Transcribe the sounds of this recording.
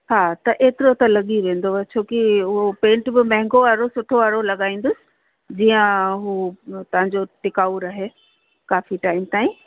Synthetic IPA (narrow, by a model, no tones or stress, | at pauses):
haːt̪ɐʔeːt̪ɪɾot̪ɐlɐɠiʋẽːn̆d̪oʋt͡ɕʰoːkiʊɦopẽːɳʈbɪmɐ̃ɦɪ̃ŋɡoʋaːɾosʊʈʰoʋaːɾolɐɠaːĩːnd̪ʊsɪ̥̆ | d͡ʑiːə̃ɦuːt̪ɐʋ̤ãɲd͡ʑoʈɪkaːʊɾaːɦeː | kaːfiʈaːɪmt̪aːĩ